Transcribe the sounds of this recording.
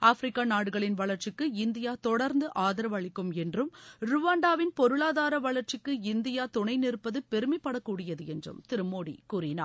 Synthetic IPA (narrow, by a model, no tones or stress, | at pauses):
ʔaːfɾɪkːaːnaːɽɯɣɐɭɪnʋɐɭɐɾt͡ʃɪkːɯɪnd̪ɪjaːt̪ɔɽɐɾnd̪ɯʔaːðɐɾɐʋɐɭɪkːɯmɛndrɯmɾʊʋaːɳɖaːʋɪnpɔɾɯɭaːðaːɾɐʋɐɭɐɾt͡ʃɪkːɯɪnd̪ɪjaːt̪ʊɳɐɪnɪrɯpːɐðɯpɛɾɯmɪpːɐɽɐkːuːɽɪjɐðɯɛndrɯ̰mt̪ɪɾɯmoːɽḭkuːɾɪna̰ː